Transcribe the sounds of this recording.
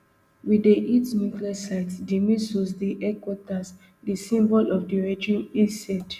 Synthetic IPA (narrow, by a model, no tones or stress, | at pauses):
wideʔitnjukliasaɪtsdimĩsosdiʔɛkwɔtas | disĩmbɔlʔɔfdiɹɛd͡ʒĩmizsɛd